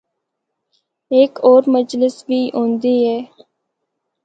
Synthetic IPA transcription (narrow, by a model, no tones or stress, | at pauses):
eːkoːɾməd͡ʒlɪsʋiːɦõːnd̪iːɦɛː